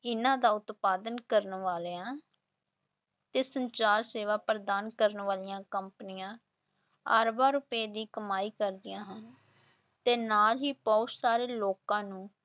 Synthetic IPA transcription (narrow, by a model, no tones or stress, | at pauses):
ɪnãːd̪aːʊt̪paːd̪ənkəɾnʋaːleːãː | t̪eːsəɲt͡ʃaːɾseːʋaːpɾəd̪aːnkəɾənʋaːlɪjãːkəmpnɪjãː | a̰ːɾbaːɾʊpeːd̪iːkəmaːiːkəɾd̪ɪjãːɦən | t̪eːnaːlɦiːbɔʊt̪saːɾeːloːkãːnũː